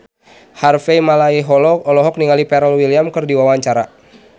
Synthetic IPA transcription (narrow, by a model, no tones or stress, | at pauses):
harfɛjmalaiɦɔlɔɔlɔɦɔk̚niŋalipɛɾəlwiliamkərdiwawaɲt͡ʃaɾa